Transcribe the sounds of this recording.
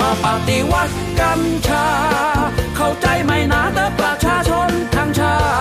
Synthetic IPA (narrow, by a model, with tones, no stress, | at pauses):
a˧˩paː˧˩t̪i˧wa˧˥˩t̪̚ | ka˧mt͡ɕʰaː˧ | kʰa˧˩wt͡ɕa˧˩jma˧jnaː˧˥t̪a˧˥pɾa˧t͡ɕʰaː˧˩t͡ɕʰo˧nt̪ʰa˧mt͡ɕʰaː˧˥